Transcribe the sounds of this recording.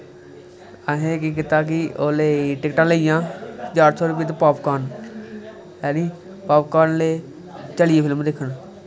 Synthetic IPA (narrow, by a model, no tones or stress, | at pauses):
aɦẽːk̬iːk̬ɪt̪aːk̬ɪoːleːʈɪkʈãːləijãːɦəd͡ʒaːɾsɔːɾʊp̬iːt̪epaːpkaːn | ɛːniː | paːp̚kaːnleː | t͡ʃəlieːpʰɪlmd̪ekʰːən